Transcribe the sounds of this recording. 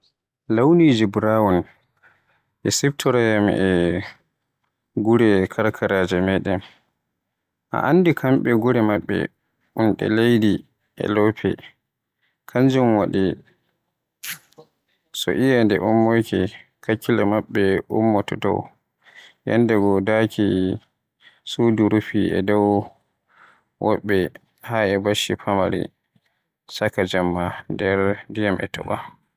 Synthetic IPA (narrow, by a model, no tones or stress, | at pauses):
lawnid͡ʒibɾawan | ʔɛsɛbtʰɔɾajam̰ʔɛ | ɡuɾɛkʰaɾkʰaɾaːd͡ʒɛmɛɗɛm | ʔa̰ʔandikʰamɓɛɡuɾɛmaɓːɛ̰ | ʔunɗɛ̰lejdi | ʔɛ̰lɔpʰɛ̰ | kʰaɲd͡ʒumwaɗi | sɔ̰ʔijandɛʔumːɔjkɛ | kakːilamaɓːɛʔumːɔtɔtɔ̰w | ja̰ndɛɡɔdaki | suduɾufiɛ̰dɔw | wɔɓːɛ | haɛbaʃipʰamaɾḭ | sakad͡ʒamːadɛɾdijamʔɛ̰tʰɔ̰ɓa